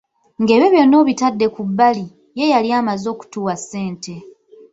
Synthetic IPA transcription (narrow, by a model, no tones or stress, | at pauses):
ŋɡe̞ːβeβjo̞nːo̞ːβitadːe̞kubːali | je̞jaljaːmazo̞ːku̥tuːwase̞ːnte̞